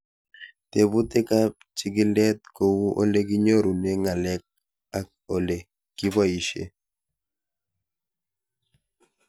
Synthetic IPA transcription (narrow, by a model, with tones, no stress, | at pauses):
t̪e˨bu˦t̪ɪ˦ka˦ | t͡ʃɪ˦ɡɪ˦lɛ˦t̪̚ko˨wu˦ʔo̰˦le˦ki˦ɲo˦ɾu˨ne˦ŋa˨lɛ˦k̚ | a˨k̚ | o˨le˨ | kɪ˦ba˦i˨ʃḛ˦